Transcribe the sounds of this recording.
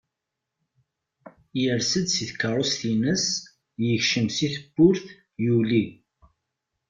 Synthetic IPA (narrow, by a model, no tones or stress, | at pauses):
jəɾsəd̪siθkːəɾˤosθinəs | jəçʃəmsiθəbːʊɾθ | juli